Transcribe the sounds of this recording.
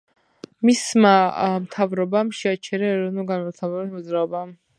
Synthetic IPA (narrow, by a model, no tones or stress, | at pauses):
mismamt̪ʰavɾɔbamʃɛat͡ʃʰɛɾaɛɾɔvnulˠɡanmat̪ʰavɛbɛnmɔd̪zɾaɔba